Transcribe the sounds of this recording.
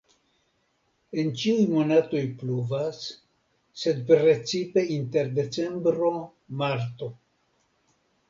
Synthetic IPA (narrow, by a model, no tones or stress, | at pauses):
e̞nt͡ʃiujmo̞nato̞jpluvasː | e̞d̪pɾe̞t͡sipe̞int̪e̞ɾd̪e̞t͡se̞mbɾo̞ | maɾt̪o̞